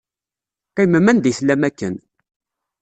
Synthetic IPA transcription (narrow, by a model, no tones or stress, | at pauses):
qæjməmænd̪jəθlæmækːən